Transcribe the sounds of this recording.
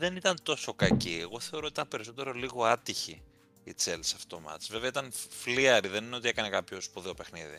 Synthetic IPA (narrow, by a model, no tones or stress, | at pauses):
ðe̞nit̪ɐnt̪o̞so̞kɐcieɣo̞θe̞o̞ɾot̪it̪ɐmpe̞ɾiso̞t̪e̞ɾo̞liɣo̞ɐt̪içiː | t͡selsɐft̪o̞mɐ̰t̪sveve̞ɐit̪ɐnfliɐɾiðe̞nineot̪ie̞kɐne̞kɐpçospuðiope̞xnḭðḭ